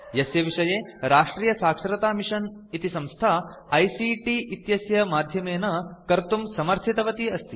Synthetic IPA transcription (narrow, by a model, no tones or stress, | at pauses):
jɐsjɐʋiʂɐjeːɾaːʂʈɾiːjɐsaːkʂɐɾɐt̪aːmiʂɐn | it̪isɐ̃mst̪ʰaː | ɐjsiːʈiʔit̪jɐsjɐmaːd̪ʱjɐmeːnɐkɐɾt̪umsɐmɐɾt̪ʰit̪ɐʋɐt̪iɐst̪i